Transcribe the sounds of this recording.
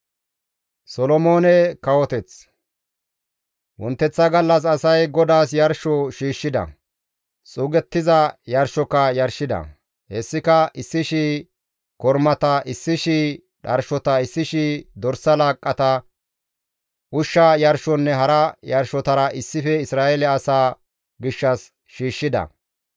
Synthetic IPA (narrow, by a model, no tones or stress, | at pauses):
sɔlɔmoːnɛkɐwɔt̪ɛt͡s | wɔnt̪ːɛt͡sːɐɡɐlːɐs̬ɐsɐjɡɔd̪aːsjɐɾʃɔʃiːʃːɪd̪ɐ̰ | t͡sʼuːɡɛt̪ːɪzɐjɐɾʃɔkːɐjɐɾʃɪd̪ɐ̰ | hɛsːɪkɐʔɪsːɪʃiː | kɔɾmɐt̪ɐʔɪsːɪʃiː | ᶑɐɾʃɔt̪ɐɪsːɪʃiːd̪ɔɾsɐlaːkʼːɐt̪ɐ | ʔʊʃːɐjɐɾʃɔnːɛɦɐɾɐjɐɾʃɔt̪ɐɾɐʔɪsːɪfɛɪsɾaːɛlɛɐsaː | ɡɪʃːɐs | ʃiːʃːɪd̪ɐ̰